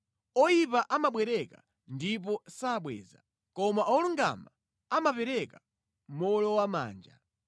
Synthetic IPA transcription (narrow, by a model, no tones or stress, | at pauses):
ɔjipaʔamaɓwɛɾɛka | ndip̬ɔsaːɓwɛ̰ːza̰ | kɔmaʔɔluŋɡa̰ma | amapɛɾɛka | m̩mɔlɔwama̰ːnd͡ʒa̰